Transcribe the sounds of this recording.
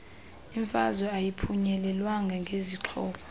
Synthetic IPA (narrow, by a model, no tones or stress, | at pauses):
iɱfazɔajipʰuɲɛlɛlwaŋɡʱɛŋɡʱeziǁʰɔːpʰɔ̥